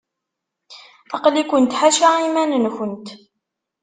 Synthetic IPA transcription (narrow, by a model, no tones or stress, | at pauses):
ɑqlikʷənt̪ħaʃaimænənçənt̪